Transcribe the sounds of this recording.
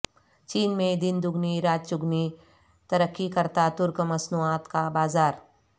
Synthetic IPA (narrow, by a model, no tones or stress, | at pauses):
t͡ʃiːnmẽd̪ɪnd̪ʊɡniɾaːt̪t͡ʃʊɡni | t̪ɐɾəkːikɐɾt̪at̪ʊɾkmɐsnuaːt̪kabaːzaːɾ